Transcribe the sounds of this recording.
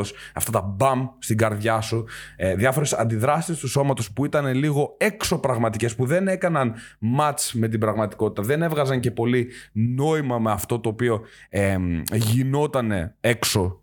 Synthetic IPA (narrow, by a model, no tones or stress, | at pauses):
osɐft̪ɐt̪ɐbɐmst̪iɡɐɾðʝɐsuðjɐfo̞ɾe̞sɐ̰nd̪iðɾɐsist̪uso̞mɐt̪o̞spuit̪ɐne̞liɣo̞e̞kso̞pɾɐɣmɐt̪ice̞spuðe̞ne̞kɐnɐn | mɐt͡sme̞t̪̬ibɾɐɣmɐt̪i̥ko̞t̪i̥t̪ɐðe̞ne̞vɣɐzɐɲce̞po̞lino̞imɐmeɐft̪o̞t̪o̞ːpio̞eʝino̞t̪ɐne̞e̞kso̞